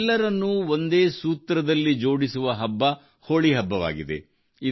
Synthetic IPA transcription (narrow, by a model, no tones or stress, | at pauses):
lːɐɾɐnːuond̪e̞ːsuːt̪ɾɐd̪ɐlːid͡ʒo̞ːɽisuʋɐɦɐbːɐ | ho̞ːɭiɦɐbːɐʋa̰ːɡid̪e̞̰ | i